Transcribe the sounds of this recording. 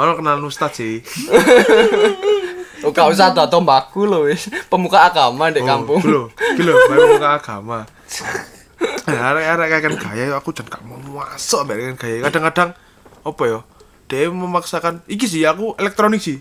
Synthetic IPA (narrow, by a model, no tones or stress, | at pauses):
manɔkənalnust̪asi | ukaus̬ahd̪̥a̤t̪ɔmbakulowepəmukaːɡ̥amandeʔkampʊŋloɡulomapəmukaːɡ̥ama | aɾaʔkakɛnɡ̥a̤jajɔakud̥ʒ̥a̤nkaʔmamuasɔmbaʔkɛnɡ̥ajakad̥a̤ŋkaɖ̥a̤ŋ | ɔpɔjɔ | d̥eʔməmaksakanik̬is̬iakuelɛk̚t̪ɾonɪk̚sih